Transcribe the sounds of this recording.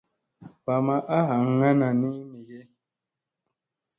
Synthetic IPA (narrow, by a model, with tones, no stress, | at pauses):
pa˨ma˦ʔa˦ɦa˨ŋ˦ŋa˦na˨ni˦mi˨je˦